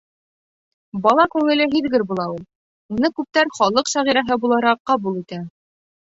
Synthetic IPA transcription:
bɒlˠɑkʉŋɘ̆lɘɦiðɡɘɾbulˠɑulˠ | unɤkʉp̚t̪æɾχɒlˠɤqsæʁiɾæɦɘbulˠɑɾɑqːɑbulˠit̪æ

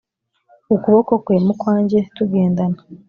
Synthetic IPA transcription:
okuβo̞ko̞kwe̞ːmukwaːɲɟe̞tuɡe̞ːndana

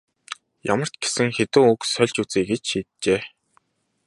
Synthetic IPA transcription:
ja̰mə̆r̥t͡ɕɡ̥e̥sɘ̆ŋxet̪ɘ̆ŋuksœɮʲt͡ɕut͡siːɡet͡ɕʃiːt̪̚t͡ɕeː

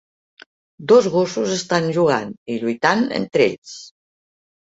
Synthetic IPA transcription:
d̪ozɣosuzəst̪anʒuɣ̞a̰niʎujt̪anḛnt̪ɾḛʎs

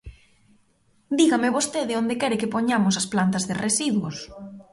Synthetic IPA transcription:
d̪iɣamɪβost̪eðɪond̪ɪkɛɾɪkɪpoɲamʊs̬ɐsplant̪ɐzðɪresiðwos

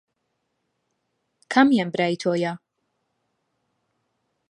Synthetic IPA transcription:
kʰɐmjanbɾaːjt̪ʰoːja

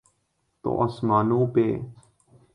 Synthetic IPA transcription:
t̪o̰ʔɐsmaːnõːpeː

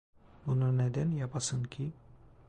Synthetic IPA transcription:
bununed̪ænjapʰasɯncʲʰi

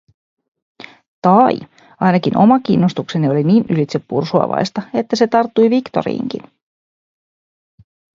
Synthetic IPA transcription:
t̪ɑji | ɑjnɑkinʔo̞mɑk̟inːost̪ukse̞nio̞liniːnylit̪se̞pːṵrsuɑ̰ʋɑ̰jst̪ɑe̞t̪ːæse̞t̪ɑrt̪ːujʋikt̪o̞̰ɾḭːŋkḭn

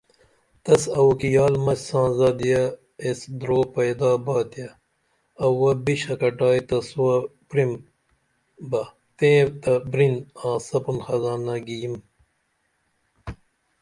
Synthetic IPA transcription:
t̪ɐsɐukijaːlmɐssãːzaːd̪ijɐ | esd̪ɾoːpɐjd̪aːbaːt̪jɐ | ɐwɐbiɕɐkɐʈaːit̪ɐswɐpɾim | bɐ | t̪ẽːt̪ɐbɾinãːsɐpunxɐzaːnɐɡijim

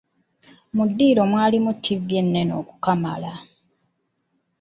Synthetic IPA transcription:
mudːiːɾo̞mwaːlimutʰːivje̞nːeno̞̰ːku̥kama̰la

